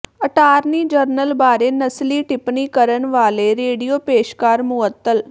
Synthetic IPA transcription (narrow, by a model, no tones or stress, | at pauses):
əʈaːɾniːd͡ʒəɾnəlbaːɾeːnəsliːʈɪpniːkəɾənʋaːleɾeːɖijoːpeːʃkaːɾmʊət̪ːəl